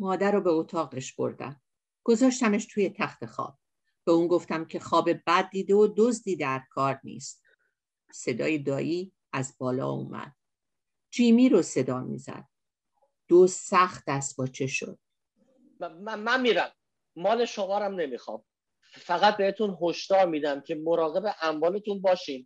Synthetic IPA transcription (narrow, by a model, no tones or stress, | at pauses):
mɒːd̪æɾobeot̪ʰɒːɣeʃb̥o̞̰ɾd̪æ̰m | ɡ̥o̞zɒːʃt̪æmeʃt̪ʰuːje̞t̪ʰæxt̪e̞xɒ̰ːb̥̚ː | e̞uːnɡoft̪æmcʰe̞xɒːbe̞bæd̪̚ːiːd̪e̞od̪ozd̪iːd̪æɾkʰɒːɾnḭːst̪̚ | se̞d̪ɒ̰ːjed̪ɒːʔiː | æzbɒːlɒ̰ːṵmʔæ̰d̪̥̚ | d͡ʒiːmiːɾose̞d̪ɒːmḭːzæ̰d̪̥̚ | d̪̥ozsæxt̪̚d̪̥æst̪bɒːt͡ʃʰe̞ʃo̰d̪̥̚ | æmænmiːɾæmː | ɒːle̞ʃomɒːɾæmne̞mixɒ̰ːm | fæɣæt̪̚be̞het̪unɦoʃd̪ɒːɾmiːd̪æmcʰemoɾɒːɣe̞be̞ʔæmvɒːle̞t̪ʰunbɒːʃiːn